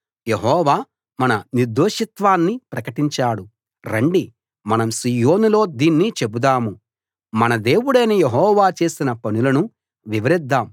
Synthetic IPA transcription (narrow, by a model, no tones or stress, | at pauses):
je̞ɦɔːʋaː | mɐnɐniɾd̪oːʂit̪ʋaːnːipɾɐkɐʈiɲt͡ʃaːɽu | ɾɐɳɖi | mɐnɐmsijo̞ːnulo̞ːd̪iːnːit͡ʃe̞bud̪aːmu | mɐnɐd̪e̞ːwuɽɐjnejeɦɔːʋaːt͡ʃe̞ːsinɐpɐnulɐnu | ʋiʋɐɾid̪ːaːm